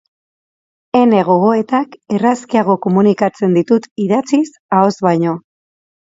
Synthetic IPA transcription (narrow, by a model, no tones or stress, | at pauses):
e̞ne̞ɣ̞o̞ɣ̞o̞e̞t̪ake̞raskiaɣ̞o̞ko̞munikat͡se̞nd̪it̪ut̪iðat͡sis | ao̞zβajɲo̞